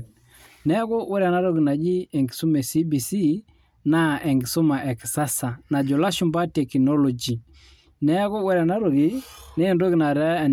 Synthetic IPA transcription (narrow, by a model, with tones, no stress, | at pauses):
nɛ˦ko˦wɛ˦ɾa˨na˦ɾo˦ki˨na˨d͡ʒi˦ɛ˨ŋɡi˨su˦mɛ˨si˦bi˨si˦ | na˦ʔɛ˨ŋɡi˨so˦ma˨ʔɛ˨ksa˦sa˨na˨d͡ʒo˨la˦ʃu˦mba˦tɛ˨ki˨nɔ˦lɔ˨d͡ʒi˨ | nɛ˦ko˦wɛ˦ɾa˨na˦ɾo˨ɡi˨ne˦˨ndo˦ki˨na˨ɾɛ˦ɛ˨